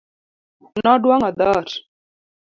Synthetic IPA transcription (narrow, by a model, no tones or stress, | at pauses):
naɖwaŋad̪aɾ